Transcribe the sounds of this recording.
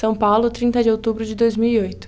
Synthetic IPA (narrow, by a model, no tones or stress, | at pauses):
sɐ̃w̃pawlʊt̪ɾĩnt̪ɐd͡ʒɪowt̪ubɾʊd͡ʒɪd̪ojzmiwiojt̪ʊ̥